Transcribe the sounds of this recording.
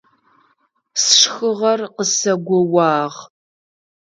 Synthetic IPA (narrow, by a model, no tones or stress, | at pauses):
sʂxɨʁɐrqəsɐɡʷɔwɑːʁ